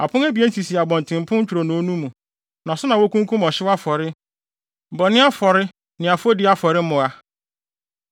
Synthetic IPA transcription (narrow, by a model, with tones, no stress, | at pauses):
a˨pʰʊ̃˦ŋæ˦bi˨˦e˦n̩˦ti˨si˨a˨bɔ̃˨n˨tʰɪ̃˨m˨pʰʊ̃˦ɲ̩˦t͡ɕᶣu˨ɾo˨nõ˨o˦nũ˦mũ˨ | nã˨sʊ˦nã˨wo˦kũ˦ŋ˦kʰũ˦mɔ˨ɕɪ˦wa˦fɔ˨ɾɪ˦˨ | bɔ˨nɪ̃˦a˦fɔ˨ɾɪ˦ | nɪ̃˨a˨fo˦dɪ˦a˦fɔ˨ɾɪ˦mʊ̃˨a˨